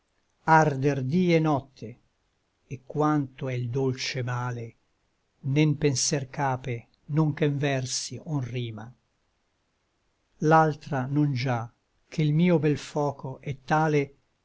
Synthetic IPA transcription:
ard̪erd̪iːenɔt̪ʰːe | ekːwant̪oɛild̪olt͡ʃemaːle | nempensɛrkaːpe | noŋkeɱvɛrsionriːma | lalt̪ɾanond͡ʒa | k̟ʰeilmiːobɛlfɔːkoʔɛt̪ːaːle

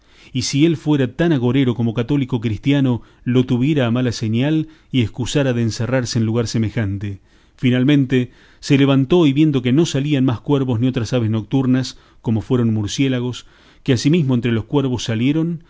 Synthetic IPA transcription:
isielfweɾat̪anaɣo̞ɾeɾo̞ko̞mo̞kat̪o̞liko̞kɾist̪jano | lo̞t̪uβje̞ɾaːmalaseɲal | ieskusaɾaðeːnseraɾseːnluɣaɾsemexant̪e | finalmẽ̞nt̪e | seleβ̞ant̪o̞iβje̞nd̪o̞keno̞salianmaskweɾβo̞znio̞t̪ɾasaβezno̞k̚t̪uɾnas | ko̞mo̞fweɾo̞nmuɾsjelaɣo̞s | keasimizmo̞ent̪ɾelo̞skweɾβo̞sːaljeɾo̞n

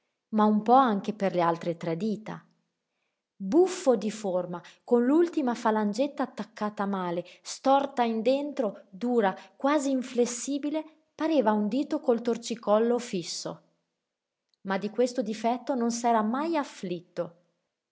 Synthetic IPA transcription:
maumpɔaŋk̟eperlealt̪ɾet̪ɾɛd̪iːt̪a̰ | bufːod̪iformakonlult̪imafaland͡ʒet̪ːaːt̪ːakːaːt̪amaːlest̪ɔrt̪aind̪ent̪ɾod̪uːɾakwaːziːɱflesːiːbile | paɾeːvaund̪iːt̪okolt̪ort͡ʃikɔlːofisːo̰ | mad̪ːikwest̪od̪ifɛt̪ːononsɛːɾamajaflit̪ːo

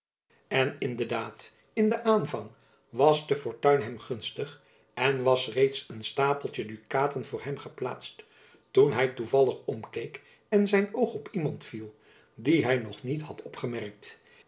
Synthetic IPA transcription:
ɛnɪndəɹdaːt | ɪndəʔaːnvɑŋ | ʋɑsdəfɔɹtœɥnɦɛmχɵnstəχ | ʔɛnʋɑsrejtsənstaːpəlˠtədykaːtənvʊːɹɦɛmχəpla̰ːtst | tunɦɛjtuvɑlˠəχɔmkejk | ɛnzɛjnowχɔpimɑntfilˠ | diɦɛjnɔχnitɦɑtɔpχəmɛrk̚t

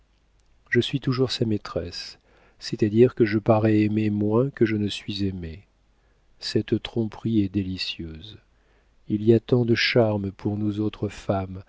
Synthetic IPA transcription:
ʒəsɥit̪uʒuʁsamet̪χɛsː | ɛt̪ad̪iʁkəʒəpaʁɛɛmemwɛ̃kəʒənəsɥizɛme | sɛt̪t̪χɔ̃pχiɛd̪elisjøz | iliat̪ɑ̃d̪əʃaʁmpʰuʁnuzot̪χəfam

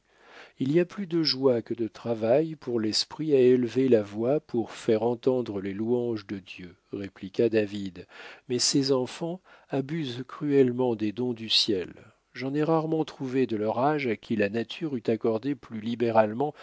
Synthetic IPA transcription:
iliaplyd̪əʒwakəd̪ət̪χavajpuʁlɛspχiaelvelavwapʰuʁfɛʁɑ̃t̪ɑ̃d̪ʁəleluɑ̃ʒd̪əd̪jø | ʁeplikad̪avid̪mɛsɛzɑ̃fɑ̃abyzkχyɛlmɑ̃d̪ed̪ɔ̃d̪ysjɛl | ʒɑ̃nɛʁaʁmɑ̃t̪χuved̪əlœʁaʒakʲʰilanat̪ʰyʁyt̪akɔʁd̪eplylibeʁalmɑ̃

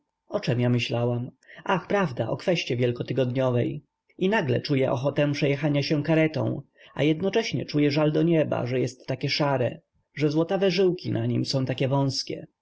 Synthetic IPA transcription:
ɔt͡ʂɛmjamɘɕlawamʔaxpɾavd̪aʔɔkfɛɕt͡ɕɛvʲjɛlkɔt̪ɘɡɔd̪ɲɔvɛj | inaɡlɛ̰t͡ʂujɛʔɔxɔt̪ɛmpʂɛjɛxaɲaɕɛkaɾɛt̪ɔ̰̃w̃ | a̰jɛd̪nɔt͡ʂɛɕɲɛ̰t͡ʂujɛʐald̪ɔɲɛba̰ʐɛjɛst̪ːakʲɛʂaɾɛ̰ | ʐɛzwɔt̪avɛʐɘwkʲinaɲimsɔ̃w̃t̪akʲɛvɔ̃w̃skʲɛ̰

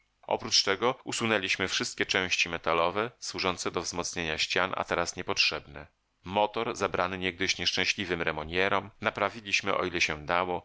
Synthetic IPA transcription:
ʔɔ̰pɾut͡ʂt̪ɛɡɔusunɛlʲiɕmɘfʂɘst̪kʲɛt͡ʂɛ̃w̃ɕt͡ɕimɛt̪alɔvɛswuʐɔnt̪sɛd̪ɔvzmɔt̪sɲeɲaɕt͡ɕana̰t̪ɛɾasɲɛpɔtʂɛbnɛ | mɔt̪ɔɾzabɾanɘɲɛɡ̚d̪ɘɕɲɛʂt͡ʂɛ̃w̃ɕlʲivɘmɾɛmɔɲɛɾɔmnapɾavʲilʲiɕmɘʔɔ̰ilɛɕɛd̪awɔ

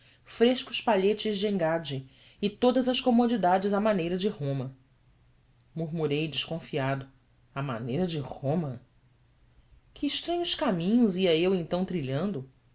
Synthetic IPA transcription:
fɾeʃkʊspaʎet͡ʃɪzd͡ʒɪẽŋɡad͡ʒɪ | ɪt̪od̪ɐzɐskomod͡ʒid̪ad͡ʒɪzamanejɾɐd͡ʒɪhõmɐ | muɾmuɾejd͡ʒɪʃkõfiad̪ʊ | ama̰nejɾɐd͡ʒɪhõmɐ | kʰɪːʃt̪ɾɐ̃ɲʊskamĩɲʊziɐewẽñt̪ɐ̃w̃t̪ɾiʎɐ̃nd̪ʊ

